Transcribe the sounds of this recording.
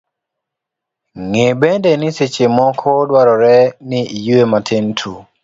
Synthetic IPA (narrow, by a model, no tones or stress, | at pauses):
ŋebendeniset͡ʃemɔkʰɔdwaɾɔɾɛnɪijuematʰɪntʰu